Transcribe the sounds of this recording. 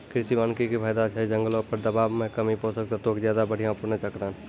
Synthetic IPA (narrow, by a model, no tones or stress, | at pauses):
kɪɾɪsimaːnkikipʰəːjd̪at͡ʃʰɛd͡ʒə̃ŋɡlõpəɾd̪əbaːbmẽkəmipoːsəkt̪at̪oːkzjaːd̪abəɽ̤ʱijãpʊɾnẽt͡ʃəkɾaːn